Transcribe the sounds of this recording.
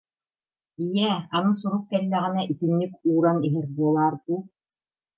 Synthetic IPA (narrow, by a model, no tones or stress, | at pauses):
ijɛanɤs̬uɾuq̚kɛlːæʁɘ̆næʔik̪ɘ̆nːɘkuːɾaniɦɘɾbuɔlˠɑːɾbu